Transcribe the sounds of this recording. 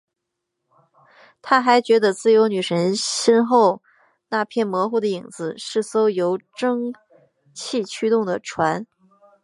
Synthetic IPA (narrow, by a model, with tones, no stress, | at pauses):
t̪ʰa˥xa˧˥ɪt͡ɕɥɛ˧˥d̪ə˧t͡sɹ̩˥˩jo˧˥ʊny˨˩ʂə˧˥nɕɛ˥nxo˥˧ʊ | na˥˧pʰjɛ˥˩nmwɔ˧˥xu˥˩d̪ə˩i˨˩ŋd͡zɹ̩˧˦˥ʂɻ̩˥˩so˥ʊjo˧˥ʊʈ͡ʂɤ˥ŋ | t͡ɕʰi˥˩t͡ɕʰy˥t̪ʊ˥˩ŋd̪ə˩ʈ͡ʂʰwa˧˥n